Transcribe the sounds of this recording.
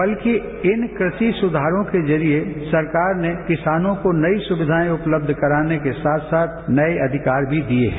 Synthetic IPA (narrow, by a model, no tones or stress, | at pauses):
bɐlki | ɪnkɾɪʃisʊd̪ʱaːɾõkezɐɾiesɐɾkaːɾnekɪsaːnõkonɐisʊbɪd̪ʱaːĩʊpləb̚d̪ʱkɐɾaːnekesaːt̪ʰsaːt̪̚ʰnɐeʔɐd̪ʱɪkaːɾbʱid̪iḛɦɛ